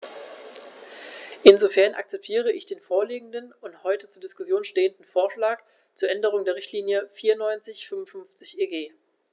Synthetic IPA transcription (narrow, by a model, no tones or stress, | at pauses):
ʔɪnzofɛɐnʔa̰k̚t͡sɛp̚tʰiːʁ̞əʔɪçd̥eːnfoːɐliːɡŋ̩dənʊnthɔʏtət͡suːɐdɪskʊsjoːnʃteːəndn̩foːɐʃlaːk | t͡suːɐʔɛndəʁ̞ʊŋdeːɐʁ̞ɪçtliːnjəfiːɐnɔʏnt͡sɪçfʏmʊnfʏnft͡sɪçʔeːɡeː